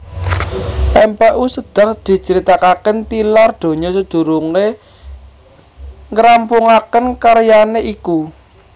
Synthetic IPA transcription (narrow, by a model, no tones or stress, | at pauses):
ɛmpɛʔusəd̪̥a̤hd̪̥i̤t͡ʃəɾit̪akakənt̪ilard̪̥o̤ɲɔsəd̪̥ṳɾuŋe | ŋɾampuŋakənkaɾjaneʔiku